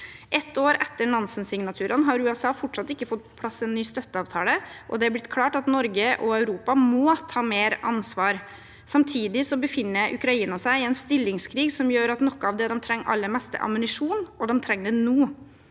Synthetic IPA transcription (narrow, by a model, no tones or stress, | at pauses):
ʔɛt̪ːoːɾɛt̪ːəɳɑnsənsɪŋnɑt̪ʰʉːɾənɦɑɾʉːɛsɑːfɔʈʂɑt̪ːɪkːəfɔt̪̚ːpʰɔ̥pʰlɑsːɛnːyːst̪œt̪ːəɑːʋt̪ʰɑːləʔɔd̪ɛæɾblɪt̪kʰlɑːʈɑt̪nɔɾɡəʔɔœʉɾuːpɑmɔːt̪ʰɑːmeːɾɑ̰nsʋɑːɾ | sɑmt̪ʰiːd̪ɪsɔbəfɪnːəɾʔʉ̰kɾɑiːnɑsæɪɪɛnst̪ɪlːɪŋskʰɾiːɡsɔmjøːɾɑt̪nɔkːəɑʋd̪ɛd̪ɛmt̪ʰɾɛŋːʔɑ̰lːəɾmɛst̪ə̰ʔɑ̰mʉnɪʂuːnɔd̪ɛmt̪ʰɾɛŋːd̪ɛnuː